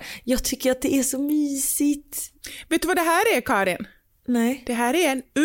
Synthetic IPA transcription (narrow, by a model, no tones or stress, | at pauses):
jɑːɡ̚t̪ʰʏkːəɾat̪̚d̪ɛæʂɔmyːsɪt̪veːt̪̚ːɵvad̪ɛɦæːɾæɾkʰɑːɾɪn | nɛd̪̥ɛɦæːɾæɾɛnɵ